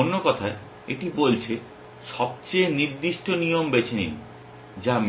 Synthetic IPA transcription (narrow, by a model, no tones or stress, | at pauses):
onːokɔt̪ʰae | eʈibolt͡ɕʰe | ʃɔb̚t͡ɕejniɾd̪iʃʈonijombet͡ɕʰenḭ | d͡ʑam